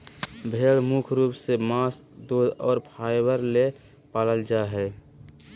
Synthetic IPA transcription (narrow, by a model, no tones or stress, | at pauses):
bʱeːɽmukʰɾuːpsemaːs | d̪oːd̪ɔːɾpʰaːjbəɾle | paːləld͡ʒaɦɛː